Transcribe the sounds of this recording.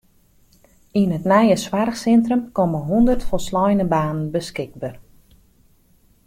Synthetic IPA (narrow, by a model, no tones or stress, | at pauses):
inɦətnajəswarsɛntrəmkɔməɦundərtfɔlˠslɔjnəbaːnənbəskɪɡ̚bər